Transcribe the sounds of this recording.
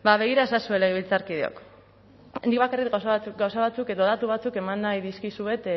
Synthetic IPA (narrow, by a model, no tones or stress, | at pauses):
baβe̞ɣ̞iɾaesasue̞leɣeβ̞ilt͡saɾkið̞eo̰k | end̪ikβakaritɡawsaat͡sukɡawsaβat͡suke̞ðoðat̪uβ̞at͡suke̞manːajðiskisue̞t̪